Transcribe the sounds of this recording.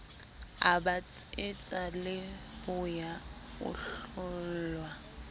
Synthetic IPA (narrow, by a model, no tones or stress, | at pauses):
a̰bat͡sʼɪt͡sʼalɪbʊja | ʊ̰ɬʊll̩ːlwa